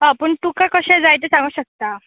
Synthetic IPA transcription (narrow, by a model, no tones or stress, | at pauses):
ɦapəːɳt̪ukakəɕɛ̃d͡zajt̪esãŋɡuːɕək̚t̪a